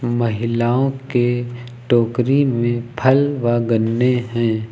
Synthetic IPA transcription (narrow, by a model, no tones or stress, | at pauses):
mɐɦɪlaːõke | ʈoːkɾimẽpʰəlʋaɡənːeɦɛ̃ː